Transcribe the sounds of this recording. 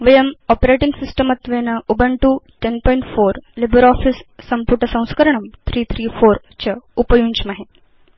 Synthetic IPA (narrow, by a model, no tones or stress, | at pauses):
ʋɐjɐmɔpɾeʈiŋɡsisʈəmɐt̪ʋeːnɐubɐɳʈuʈenpɔːjiɳʈfoːɾlibəɾɔːfisːɐmpuʈɐsɐ̃w̃skɐɾɐɳ̃ɐmt̪ʰɾiːt̪ʰɾiːfoːɾ | t͡ɕɐupɐjuːɲt͡ʃmɐɦe